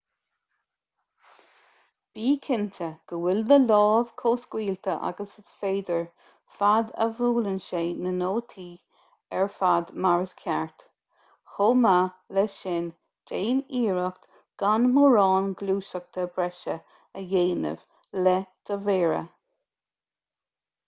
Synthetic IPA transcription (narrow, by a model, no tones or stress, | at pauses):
b̥iːkʰɪntʰəɡ̥əwɪld̪əlɔːv̥kʰoːskwiːlt̪ʰəʔa̰ɡəsəsfeːd̪əɹ | fad̪ə̰vuːlənʃeːnənoːt̪ʰiː | ɛɹfad̪maɹəskʰjɛɹt̪ | xoːmalɛʃɪn | d͡ʒeːniːɹəxt̪ | ɡ̥anmuɹɑːnɡluːʃək̚t̪ʰəbɹɛʃə | əjeːnə̰v̥ | lɛd̪̥əveːɹə̰